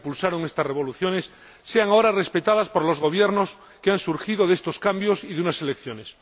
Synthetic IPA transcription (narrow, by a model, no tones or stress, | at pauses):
pulsaɾoŋest̪asre̞β̞o̞luθjo̞ne̞sː | eaŋao̞ɾare̞spe̞t̪aðaspo̞ɾlo̞zɣ̞o̞β̞je̞ɾno̞s | keansuɾxiðo̞ðe̞st̪o̞skambjo̞siðeunase̞lekθjo̞ne̞s